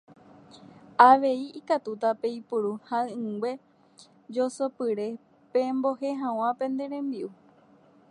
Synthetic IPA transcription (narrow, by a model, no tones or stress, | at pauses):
aʋe̞iikat̪ut̪ape̞ipuɾuhaɨɨ̃ŋɡwe̞ | d͡ʒosopɨɾe̞ | pẽ̞mbo̞ɦe̞ɦãw̃ãpẽ̞nd̪e̞ɾẽ̞mbiʔu